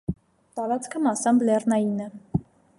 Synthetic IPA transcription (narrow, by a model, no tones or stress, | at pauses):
t̪ɑɾɑt͡skʰəmɑsɑmblɛrnɑjinə